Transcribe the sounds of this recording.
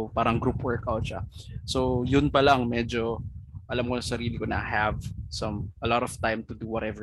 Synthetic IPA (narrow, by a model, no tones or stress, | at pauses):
paːɾɐŋɡɾupwɛɹkʔɐwʃa̰sojʊnpɐlaŋmɛd͡ʒoʔɐlamkonɐsɐɾiːlɪkonɐ̰hɐvsɐ̃mɐlɔt̪ɔv̥t̪ajmt̪ʊd̪uwɔɾɛvə